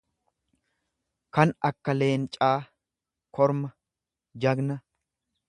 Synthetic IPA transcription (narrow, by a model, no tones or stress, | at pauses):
kɐnɐkːɐle̞ːnt͡ʃʼaː | kʰɔɾmɐ | d͡ʒɐɡnɐ